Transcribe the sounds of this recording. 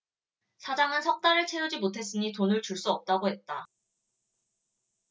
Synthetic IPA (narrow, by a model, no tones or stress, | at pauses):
sʰad͡ʑaŋɯnsʰʌk̚t͈aɾɯɭt͡ɕʰe̞jud͡ʑimotʰe̞s͈ɯɲitonɯɭt͡ɕuɭs͈uʌp̚t͈aɡoɦe̞t̚t͈a